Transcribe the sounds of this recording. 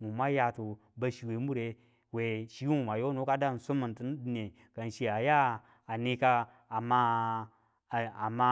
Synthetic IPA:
ŋu˨ma˦ja˨tu˨ | ba˨ʃi˨we˨˦mu˦ɾe˨ | we˨ʃi˦wu˦˨wa˨jo˦no˦ka˦da˦˨n˨so˦mə˨n˨tə˦n˦dne˨ | ɡ̥a˨n˨ʃi˨a˨jaː˦˨ | ne˦kaː˦˨ | ma˦˨ | a˨ma˦

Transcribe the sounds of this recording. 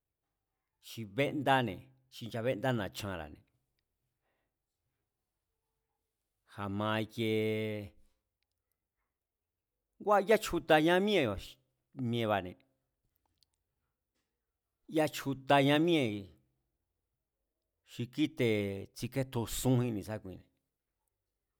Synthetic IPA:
t͡ʃi˧βe˦ʔnd̪a˦nḛ̃˨ | t͡ʃi˧nt͡ʃa˧βe˦nd̪a˦nã˨t͡ʃã˧ɾa̰˨nḛ̃˨ | ha˨mã˧i˧je˧ | ɡʷa˦˧ja˦t͡ʃʰu˧t̪a˧ɲã˦mĩ˦ẽ˧˨ | mĩ˧ẽ˧βa˨nḛ̃˧ | ja˦t͡ʃʰu˧t̪a˧ɲã˧mĩ˦ẽ˧˨ | ʃi˧ki˦t̪e˧t͡si˧ke˦t̪u˧sũ˦hĩ˧nĩ˧˨sa˦kʷĩ˧nḛ̃˨

